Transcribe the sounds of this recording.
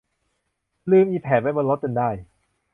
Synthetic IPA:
lɯː˧˩mʔiː˧pʰɛː˨˦t̪̚ma˥jbɔː˧nlo˦˥t̪̚ka˧ndaː˥˩j

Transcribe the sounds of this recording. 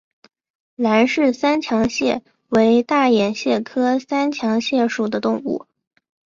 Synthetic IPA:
la˧˥nʂɻ̩˥˩sa˥nt͡ɕʰjɑ˧˥ŋɕjɛ˥˩ | we˧˥ɪt̪a˥˩jɛ˨˩nɕjɛ˥˩kʰɤ˥sa˥nt͡ɕʰjɑ˧˥ŋɕjɛ˥˩ʂu˨˩d̪ə˦t̪ʊ˥˧ŋṵ˥˩

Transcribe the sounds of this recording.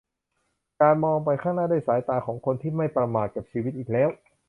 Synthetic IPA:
kaː˧nmɔː˧ŋp̬a˧jkʰaː˥˩ŋnaː˥˩daː˥˩jsaː˩˦jt̪aː˧kʰɔː˩˦ŋkʰo˧nt̪ʰiː˥˩ma˥˩jpɾa˧maː˨˩t̪̚ka˨˩p̚t͡ɕʰiː˧wi˦˥t̪̚ʔiː˨˩k̚lɛː˦˥w

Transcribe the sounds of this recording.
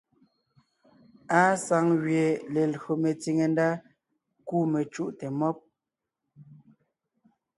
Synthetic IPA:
a˦sa˨˦ŋɣɥje˨le˨lo˨me˨t͡si˨ŋe˨nda˦ | kuː˦me˨t͡ʃu˦ʔte˨mɔ˦p̚

